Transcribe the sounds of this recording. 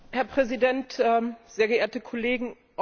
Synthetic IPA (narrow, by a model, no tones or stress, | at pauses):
hɛɐpʁ̥ɛzidɛntɛz̥eːɐɡəʔeːɐtəkʰɔleːɡŋ̩ | ʔ